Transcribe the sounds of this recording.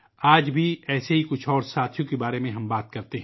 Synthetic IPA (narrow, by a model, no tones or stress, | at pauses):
aːd͡ʒbʱiɛːseɦikʊt͡ʃʰɔːɾsaːt̪ʰjõkebaːɾemẽɦɐmbaːt̪̚kɐɾt̪eɦɛ̃